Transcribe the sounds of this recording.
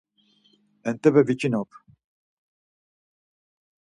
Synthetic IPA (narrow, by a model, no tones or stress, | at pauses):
ɛnt̪ʼɛbɛvit͡ʃʼinɔpʰ